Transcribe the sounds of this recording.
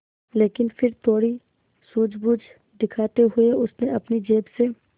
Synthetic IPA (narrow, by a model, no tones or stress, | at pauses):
leːkɪnfʰɪɾt̪ʰoːɽi | suːd͡ʒbʊd͡ʒ | d̪ɪkʰaːt̪eɦʊeʊsneɐpnid͡ʒeːbse